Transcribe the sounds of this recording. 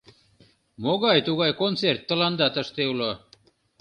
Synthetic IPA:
moɣɑjt̪uɣɑjkont͡sert̪ːə̆lɑnd̪ɑt̪əʃt̪eulo

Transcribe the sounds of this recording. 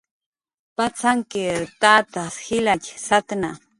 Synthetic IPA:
pat͡saŋkɪɾt̪at̪asxɪlat͡ʃʲsat̪na

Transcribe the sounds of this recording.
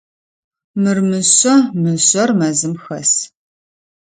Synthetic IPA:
mɨrmɨɕʼɐmɨɕʼɔrmɐzɨmxɐs

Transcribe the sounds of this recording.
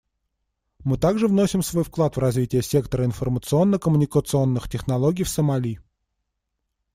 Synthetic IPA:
mɨt̪aɡʐɨvnosʲɪmsvo̞jfklˠat̪vrɐzvʲitʲɪjəsʲe̞kt̪əɾəɪnfərmət̪sɨo̞nːəkəmʊnʲɪkət̪sɨo̞nːɨxtʲɪxnɐlˠoɡʲɪjfsəmɐlʲi

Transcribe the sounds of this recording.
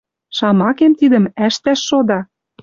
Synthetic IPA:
ʃɑmɑkemt̪id̪ə̆mæʃt̪æʃːod̪ɑ

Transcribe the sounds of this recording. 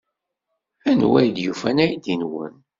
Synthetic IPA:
ænwæjd̪jufænæjd̪inwə̰n

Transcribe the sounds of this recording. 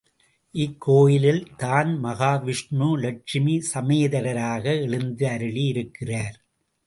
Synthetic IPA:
ʔɪkʰːoːjɪlɪlt̪aːnmɐɣaːʋɪʂɳuːlɐʈ̚ʂɪmisɐmeːðɐɾɐɾaːɣɐɛɻɯnd̪ɯɐɾɯɭiɪɾɯkːɪraːɾ

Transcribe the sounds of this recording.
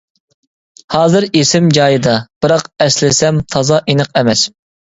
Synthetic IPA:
hɑːzɨɾesɪmd͡ʒɑːjɨd̪ɑb̥ɨɾɑqɛslɪsɛmt̪ʰɑzɑʔinəqɛmɛs

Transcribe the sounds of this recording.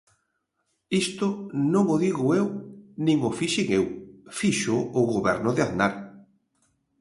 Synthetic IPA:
ist̪ʊnõŋʊðiɣʊewnĩŋʊfiʃeŋewfiʃʊːɣoβɛɾnʊðeaðnaɾ

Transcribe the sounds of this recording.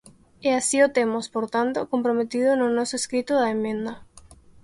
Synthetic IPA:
easiot̪emospoɾt̪ant̪okõmpɾomet̪iðononɔsoeskɾit̪oðaemẽnd̪ɐ

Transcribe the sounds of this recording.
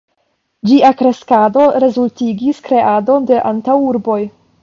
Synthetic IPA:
d͡ʒiakɾe̞skado̞ɾe̞zultiɡiskɾe̞ʔado̞nde̞ʔantawuɾbo̞j

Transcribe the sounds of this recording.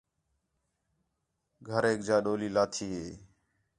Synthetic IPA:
ɡʱəɾeːk̚d͡ʒaːɗoːliːlaːt̪ʰiːɦeː

